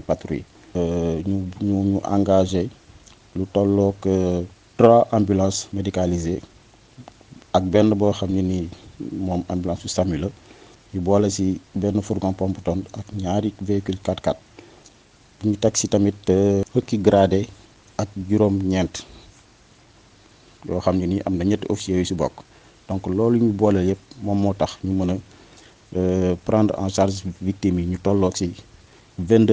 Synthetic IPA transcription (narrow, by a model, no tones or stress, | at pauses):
patɾḭ | ɲuɲuɲuʔa̰ŋɡaʒe | lutɔlːɔːkətraʔambulãːnsmedikalize | ɐk̚bɛnːəbɔxɐmɲinimɔːma̰mbulãːsusamilə | jubɔlɐsibɛnːəfuɾɡɔ̃npɔmbutɔnɐkɲaɾivekylkatkat̚ | buɲutɐksitɐmitːəhəkːiɡɾadɛ | ɐk̚ɟuɾɔːmɲɛnt | jɔːxɐmɲuniʔɐmnɐɲɛtːofisiɛjusibɔ̰kː | d̥ɔŋklɔːlɲubɔːlɐjɛp̚mɔmːɔtɐxɲumɐnə | pɾandã̰ʃarʃvik̚tːimiɲutɔlːɔsi | vɛndə